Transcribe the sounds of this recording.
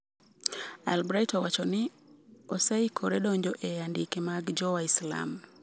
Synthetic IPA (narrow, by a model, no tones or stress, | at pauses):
albɾajtɔwat͡ʃɔnɪɔsaikʰɔɾɛɗɔɲd͡ʒɔʔɛjandikemaɡd͡ʒɔwaisla̰m